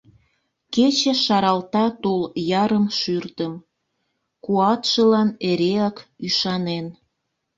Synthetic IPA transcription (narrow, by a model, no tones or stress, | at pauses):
ket͡ɕeʃɑɾɑlt̪ɑt̪oljɑɾəmʃyrt̪əm | kuɑt̪ʃəlɑneɾeɑkyʃɑnen